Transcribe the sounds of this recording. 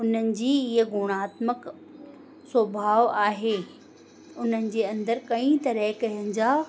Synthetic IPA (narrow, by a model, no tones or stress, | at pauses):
ʊnənɪ̆d͡ʑiːɪɦəɡʱʊːɽ̃aːt̪mək | sobʱaːʋaːɦeː | ʊn̤ənɪ̆d͡ʑeːɐ̃nd̪əɾkɐĩt̪ɐɾɛɦkɐɦə̃n̆d͡ʑaː